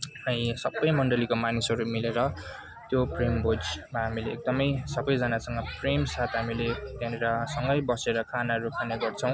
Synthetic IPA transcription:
ʌĩsʌbːʌjmʌɳɖʌlikomanusʌɾumileɾʌ | t̪joprembʱod͡zmaɦamileːk̚d̪ʌmʌjsʌbʌjd͡zʌnasʌŋɡʌpremsat̪ɦamiled̪aneɾʌsʌŋɡʌjbʌseɾʌkʰanaɦʌɾukʰaneɡʌrt͡sʰʌ̃w̃

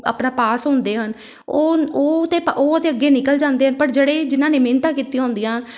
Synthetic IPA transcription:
ə̰pnãːpaːsɦʊ̃nd̪eːɦən | oːoːt̪eːpʔoːət̪eːəɡːeːnɪkəld͡ʒãːnd̪eːɦənpəɾd͡ʒeɽeːd͡ʒɪnãːneːmeːnt̪ãːkiːt̪ijaːɦʊ̃ːnd̪ijaːɦn

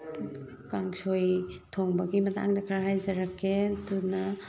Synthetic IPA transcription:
kaŋsojtʰoŋbɐɡimɐta̰ŋdɐkʰaɾaɦajzɐɾakːetunɐ

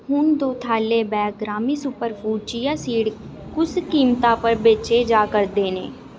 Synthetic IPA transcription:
hʊnd̪oːt̪ʰaːleːbɛːk̚ɡɾaːmiːsʊpəɾpʰuːt͡ʃijaːsiːɽkʊskiːmt̪aːpəɾbet͡ʃeːd͡ʒaːkəɾd̪eːnḛ̃ː

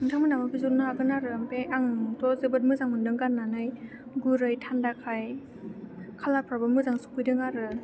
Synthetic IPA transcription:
ɯntʰaŋmɯnamabʰizuɾnaaɡɯnaɾɯmpeaŋtɔzɯbɯt̚mɯzaŋmɯndɯŋɡanːanɯj | ɡuɾɯjtʰandakʰaj | kʰalapʰɾabɯmːɯzaŋsu̥pɯjdɯŋaɾɯ

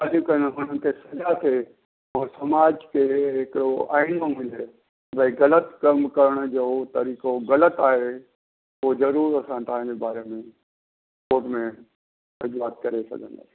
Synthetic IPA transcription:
alʊkənɦʊnənɪ̆k̪ʰesɐzat̪ʰe | ɔːɾsɐmaːd͡ʒkʰeɦɪkɪɽoʔa̰ːinomɪle | bʱɐiɡɐlət̪kɐmkɐɾəɽ̃d͡ʑoːt̪ɐɾiːkoɣɐlət̪aːɦe | ozɐɾuːɾɐsãt̪ɐɦãd͡ʑebaːɾemẽ | poːʈmẽ | ɐd͡ʒuaːt̪̚kɐɾesɐ̰ɡʱə̰̃nd̪a̰

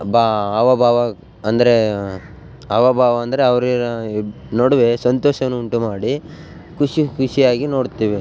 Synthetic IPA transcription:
baːɐʋɐbʱaːʋɐ | ɐnd̪ɐɾe | ɐʋɐbʱaːʋɐːnd̪ɐɾeɐʋɐɾiɐ | noɽɐʋe̞sɐnt̪ɔːʃɐʋɐnːuːɳʈumaːɽi | kʰuʂikʰuʂijaːɡino̞ːɽt̪iːʋe

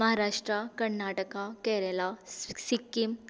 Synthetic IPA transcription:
əɦaɾaʂʈɾakəɾnaʈəkakɛɾelasikːim

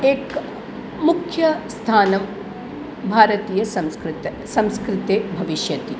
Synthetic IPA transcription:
eːk | mukʰjɐst̪ʰaːnɐm | bʱaːɾɐt̪iːjɐsɐmskɾt̪ | sɐmskɾɪt̪eːbʱɐʋiʃjɐt̪i

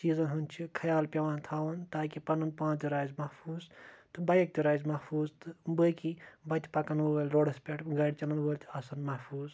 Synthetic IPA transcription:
siːzɐnɦɐnt͡ʃʰikʰɐjaːlpʲɐʋaːnt̪ʰaːʋɐnt̪aːkipɐnɐnpãːt͡ʃd̪ʲiɾaːjzmɐhfʰuːzt̪ɨbɐjɐk̚t̪iɾaːjzmɐhfʰuːzt̪ɨbəkibɐt̪ʰʲi̥pɐkɐnʋəlʲɾoːɽɐspʲeʈʰɡɐɽʲit͡ʃɐlɐnʋoːlʲt̪ʰiɐsɐnmɐhfʰuːz

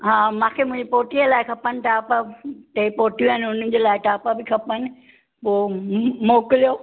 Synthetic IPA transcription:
ɦãːmãːkʰeːmʊ̃ɪ̃ɲd͡ʑepoːʈiəlaːɪkʰɐpənɪ̆ʈaːpat̪eipoːʈijuɦaːnɪʊn̤ə̃̆d͡ʑeːlaːɪʈaːpabɪkʰɐpənɪ | poːmoːkɪlijoː

